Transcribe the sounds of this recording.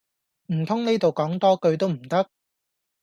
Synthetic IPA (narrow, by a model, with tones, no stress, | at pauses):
m̩˨˩t̪ʰʊ˥ŋne˥jt̪o˨wkɔː˨˥ŋt̪ɔː˥kɵ˧ɥt̪o˥wm̩˨˩t̪ɐ˥k̚